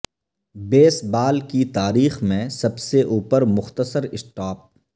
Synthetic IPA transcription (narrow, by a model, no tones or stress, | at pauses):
beːsbaːlkit̪aːɾiːxmẽsɐbseʔuːpəɾmʊxt̪əsəɾɪsʈaːp̚